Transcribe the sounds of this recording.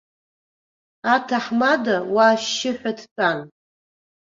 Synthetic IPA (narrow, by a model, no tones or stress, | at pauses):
atʰaħmadawaːʃːɪħʷᶣatʰpʰan